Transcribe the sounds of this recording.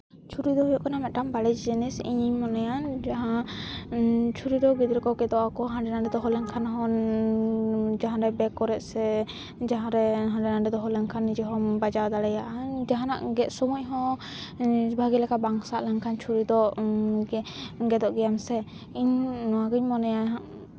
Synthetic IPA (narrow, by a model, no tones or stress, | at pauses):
t͡ʃʰuɾid̪ɔɦɔjɔʔkanamɛʔ̪̚ʈambalɛd͡ʒd͡ʒɛnɛsḭɲiɲmɔnajand͡ʒaɦã | t͡ʃʰuɾid̪ɔɡid̪ɾɛkɔɡɛd̪ɔʔakɔɦãɖɛnaɖɛd̪ɔɦɔlɛŋkʰanɦɔn | d͡ʒaɦãɾɛbɛkɔɾɛt̪̚sɛ | d͡ʒaɦãɾɛɦãɖɛnaɖɛd̪ɔɦɔlɛŋkʰanːid͡ʒɛɦɔmbad͡ʒawd̪alɛjaʔad͡ʒaɦanaʔɡɛʔ̪sɔmucɦɔ̃ | bʱaɡilɛkabaŋsaʔlɛŋkʰant͡ʃʰuɾid̪ɔ | ɡɛd̪ɔʔɡɛjamsɛ | iɲaɡuɲmɔnɛjan